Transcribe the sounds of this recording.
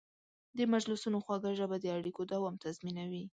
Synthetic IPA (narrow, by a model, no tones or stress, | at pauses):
d̪əmad͡ʒlusunoxwɑɡaʒabad̪əaɽikod̪awɑmt̪azminawi